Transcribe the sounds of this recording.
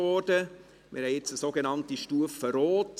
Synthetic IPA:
ɔdə | mɪ̰ɾhɛjɪt͡səsoːɡenɑntiʃtuəfəɾoːt

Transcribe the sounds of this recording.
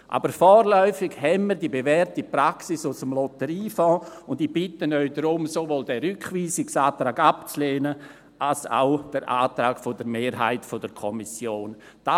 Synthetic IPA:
ʔa̰ːbəɾfɔːɾlœʏfɪɡhɛnmiːɾdibevɛɾtipɾaksisʊsəmlɔtəɾiːfɔ̃ːʊndib̥ɪtənœʏdɾʊmsovoːldɛɾʏkχʋiːsɪksaːtɾaːɡapt͡sleːnə | alsa̰ʊd̥əɾʔa̰ːtɾaːɡ̥fodəɾmeːɾɦa̰ɪtfod̥əkʰɔmisjoːnd̥a

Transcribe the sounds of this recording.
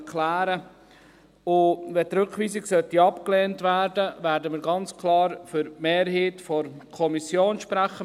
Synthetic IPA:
kʰlæːɾə | ʊvɛt̪ɾɵkχʋiːsɪɡsœtiɑpkleːntʋæːɾdəvæːɾdəmɪːɾɡɑnt͡skʰlɑːɾfʏɾmeːɾɦiːtfɔɾ | kʰɔmisjoːnʃpɾæχə

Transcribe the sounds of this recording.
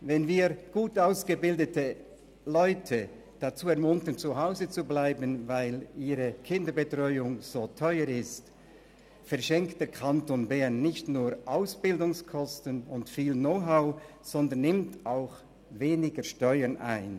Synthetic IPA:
vɛnviːɡ̥uːtaʊsɡ̥əbɪldətʰə | lɔʏtʰə | d̥at͡suːɛɐmʊntənt͡suɦaʊzət͡sublaɪbənvaɪliːʁəkʰɪndəbətʁ̥ɔʏʊŋz̥oːtʰɔʏəɾɪst | fɛɐʃɛŋkt̚d̥eːɐkʰantonbɛʁnːɪçtnuːʁʔaʊsb̥ɪldʊŋskʰɔstənʊntfiːlnoʊɦaʊ | z̥ɔndənːɪmtaʊx | veːnɪɡəʃtɔʏənʔa̰ɪn

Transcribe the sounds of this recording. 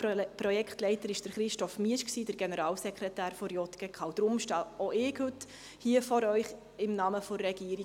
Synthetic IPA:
pɾɔjɛktlɛɪt̪əɾɪʃd̥əɾχɾɪʃtɔfmiəʃksiːdəɾɡ̥enəɾɑːlsɛkχɾɛtæːɾfoɾjɔt̪ɡ̥ɛkχɑwd̥ɾʊmʃtɑːoɪːkhʉt | hiəfɔɾœʏχ | ɪmnɑməfɔɾːɛɡ̥iːəɾi

